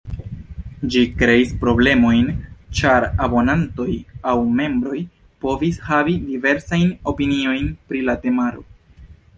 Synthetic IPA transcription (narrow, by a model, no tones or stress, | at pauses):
d͡ʒikɾe̞ispɾo̞ble̞mo̞jnt͡ʃaɾabo̞nanto̞jawme̞mbɾo̞j | po̞vishavidive̞ɾsajno̞pinio̞jnpɾilate̞maɾo̞